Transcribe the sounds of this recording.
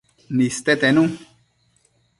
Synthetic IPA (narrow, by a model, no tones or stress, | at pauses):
nist̪ɛt̪ɛnũ